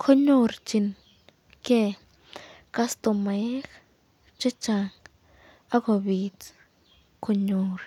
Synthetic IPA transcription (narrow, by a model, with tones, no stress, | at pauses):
kʰo˦ɲu˦ɾt͡ʃi˧n | ke˧ | ka˦st̪o˧me˧˦x | t͡ʃe˦t͡ʃa˧ŋ | a˦ɡo˧bi˨t͡s | kʰo˧ɲu˧ɾ